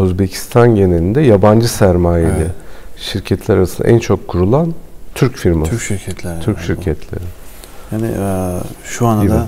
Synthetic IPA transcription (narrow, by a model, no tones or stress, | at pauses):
uzbecʰi̥st̪ʰanɟe̞ne̞lʲind̪ɛjaband͡ʒɯsæɾmaːjelʲɪʃiɾcʰɛt̪ʰlʲæɾaɾasɯnd̪a̰ʔænt͡ʃʰo̞kʰːuɾulˠant̪ʰyɾcfiɾmayʃiɾcʰɛt̪ʰlʲɾt̪ʰyɾcʃiɾcʰɛt̪ʰlʲḛɾɪ | hanɪ̰ | ʃuand̪a